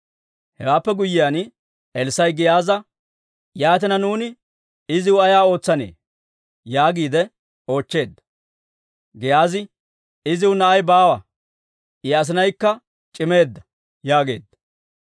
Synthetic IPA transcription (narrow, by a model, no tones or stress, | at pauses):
hɛwaːpːɛɡʊjːɪjaːn | ʔɛlsɐjɡɪjaːzɐ | jaːt̪ɪnɐnuːnɪ | ɪzɪwʊɐjaːo̞ːt͡sːɐnḛː | jaːɡiːd̪ɛ | o̞ːt͡ʃːe̞ːd̪ːɐ̥ | ɡɪjaːzɪ | ɪzɪwʊnɐʔɐjbaːwɐ | ʔɪɐs̬ɪnɐjkːɐ | t͡ʃʼɪme̞ːd̪ːɐ̥ | jaːɡe̞̰ːd̪ːɐ̥